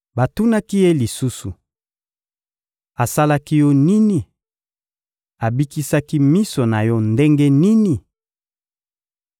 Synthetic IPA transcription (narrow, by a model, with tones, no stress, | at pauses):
ba˨tu˦na˦ki˦je˦li˨su˦su˨ | a˨sa˦la˦ki˦jɔ˦ni˦ni˨ | a˨bi˦ki˦sa˦ki˦mi˦so˨na˨jɔ˦nde˦ŋɡe˦ni˦ni˨